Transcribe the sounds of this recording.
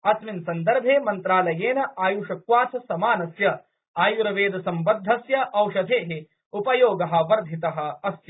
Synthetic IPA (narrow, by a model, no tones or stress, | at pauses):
ɐsminsɐnd̪ɐɾbʱeːmɐnt̪ɾaːlɐjeːnɐʔaːjuʂɐkʋaːt̪ʰɐsɐmaːnɐsjɐ | aːjuɾɐʋeːd̪ɐsɐmbɐd̪ʱːɐsjɐʔɐwʂɐd̪ʱeːɦe | upɐjoːɡɐɦɐ̆ʋɐɾd̪ʱit̪ɐɦɐ̆ɐsjɐ